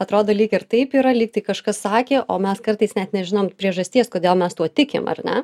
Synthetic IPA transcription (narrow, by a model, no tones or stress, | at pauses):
ɐt̪ɾoːd̪oːlʲiːkɪɾt̪ɐɪpiːɾɐlʲiːk̚t̪ɐɪkɐʃkɐssɑːkʲeːʔʔoːmʲɛskɐrt̪ɐɪsnʲɛt̪nʲɛʒʲɪnoːmpʲɾʲiɛʒɐsʲt̪ʲiɛskoːd̪ʲeːlˠmʲɛst̪uɔt̪ʲɪkʲɪ̰mɐ̰rnʲɛ